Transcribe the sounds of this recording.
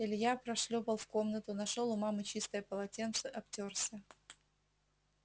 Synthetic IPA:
ɪlʲɪjapɾɐʂlʲopəlˠfko̞mnət̪ʊnɐʂolˠʊmamɨt͡ɕist̪əjəpəlˠɐtʲent̪sɨʔɐp̚tʲorsʲə

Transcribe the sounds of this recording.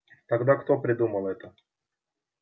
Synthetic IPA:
t̪ɐɡd̪akt̪o̞pɾʲɪd̪uməlˠɛt̪ə

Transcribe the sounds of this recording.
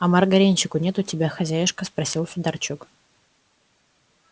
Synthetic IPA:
ɐmɐrɡɐɾʲenʲt͡ɕɪkʊnʲet̪ʊtʲɪbʲaxɐzʲæjɪʂkəspɾɐsʲilˠsʊd̪ɐrt͡ɕuk

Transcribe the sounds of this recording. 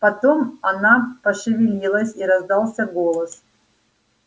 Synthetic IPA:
pɐt̪omɐnapɐʂɨvʲɪlʲilˠəsʲiɾɐzd̪alˠsʲɐɡolˠəs

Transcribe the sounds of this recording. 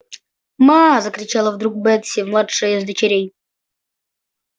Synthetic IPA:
mazəkɾʲit͡ɕalˠəvd̪ɾuk̚bɛt̪sʲivmlˠatʂəjzd̪ət͡ɕeɾʲej

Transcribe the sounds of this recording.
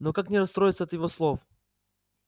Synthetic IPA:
nokaknʲɪɾɐst̪ɾo̞jɪt̪səɐt̪jɪvoslˠof

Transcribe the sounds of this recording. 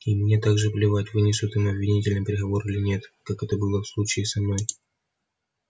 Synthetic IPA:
imnʲe̞t̪aɡʐɨvlʲɪvatʲvɨnʲɪsʲʊt̪ɨmɐbvʲɪnʲitʲɪlʲnɨmpʲɪɾʲɪɣɐvo̞ɾɨlʲɪnʲe̞t̪kakɛt̪əbɨlˠəfslˠut͡ɕɪːsɐmno̞j

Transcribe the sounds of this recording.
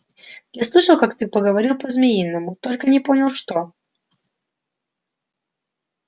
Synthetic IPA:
jaslˠɨʂəlˠkakt̪ɨpəɡəvɐɾʲilˠpəzmʲɪinːəmʊt̪o̞lʲkənʲɪpo̞nʲɪlˠʂt̪o

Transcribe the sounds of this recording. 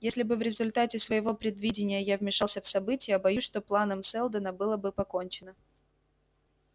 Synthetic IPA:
jesʲlʲɪbɨvɾʲɪzʊlʲt̪atʲɪsvəjɪvo̞pɾʲɪd̪vʲidʲɪnʲɪjəjavmʲɪʂalˠsʲəfsɐbɨtʲɪjəbɐjuʂt̪o̞plˠanəmsɛlˠd̪ənəbɨlˠəbɨpɐko̞nʲt͡ɕɪnə

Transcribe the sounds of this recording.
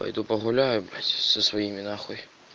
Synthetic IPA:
ɐ̰jd̪upɐɣʊlʲajʊbɾʲatʲsɐsʋɐjimʲɪnaxɔj

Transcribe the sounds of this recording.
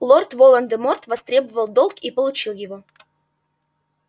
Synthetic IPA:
lˠort̪volˠənd̪ɨmort̪vɐst̪ɾʲebəvəlˠd̪olˠkipəlˠʊt͡ɕilˠjɪvo

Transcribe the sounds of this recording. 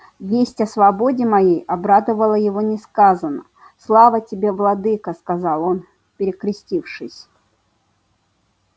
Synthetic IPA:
vʲesʲtʲɐsvɐbo̞dʲɪmɐjejɐbɾad̪əvəlˠəjɪvonʲɪskazənə | slˠavətʲɪbʲe̞vlˠɐd̪ɨkəskɐzɑlˠo̞n | pʲɪɾʲɪkɾʲɪsʲtʲifʂɨsʲ

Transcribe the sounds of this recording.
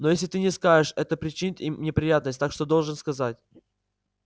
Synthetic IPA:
no̞jesʲlʲɪt̪ɨnʲɪskaʐɨʂɛt̪əpɾʲɪt͡ɕɪnʲɪt̪imnʲɪpɾʲɪjat̪nəsʲt̪akʂt̪o̞d̪o̞lˠʐɨnskɐzatʲ

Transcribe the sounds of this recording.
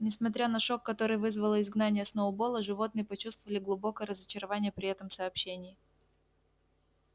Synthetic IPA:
nʲɪsmɐt̪ʲɾʲanɐʂo̞kːɐt̪o̞ɾɨjvɨzvəlˠəɪzɡnanʲɪjəsnoʊbo̞lˠəʐɨvo̞t̪nɨjəpɐt͡ɕust̪vəvəlʲɪɡlˠʊbo̞kəjəɾəzət͡ɕɪɾɐvanʲɪjəpɾʲɪɛt̪əmsɐːpɕːenʲɪː

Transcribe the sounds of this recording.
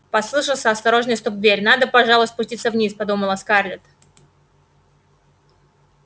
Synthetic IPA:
pɐslˠɨʂəlˠsʲəɐst̪ɐɾo̞ʐnəjst̪up̪vʲeɾʲnad̪əpɐʐalˠʊsʲt̪ʲpʊsʲtʲit̪səvnʲispɐd̪uməlˠɐskarlʲɪt̪

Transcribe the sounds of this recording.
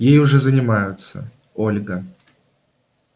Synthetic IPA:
jejʊʐɛzənʲɪmajʊt̪sə̰ | olʲɡə

